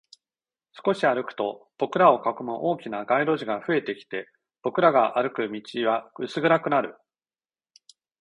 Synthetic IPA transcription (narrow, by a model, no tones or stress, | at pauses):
sɨ̥ko̞ɕiaɾɯ̟kɯ̟̥t̪o̞b̥o̞kɯ̟ɾao̞kakɯmɯʔo̞ːkʲinaɡaiɾo̞ʑiɡaɸɯ̟e̞t̪e̞kʲi̥t̪e̞ | b̥o̞kɯ̟ɾaɡaʔaɾɯ̟kɯ̟mʲit͡ɕiβaɯ̟sɨɡɯ̟ɾakɯ̟naɾɯ̟